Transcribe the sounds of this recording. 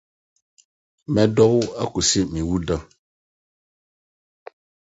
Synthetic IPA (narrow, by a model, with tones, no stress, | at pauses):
mɛ˦dɔ˦wa˦ku˨si˦mĩ˨wu˦da˦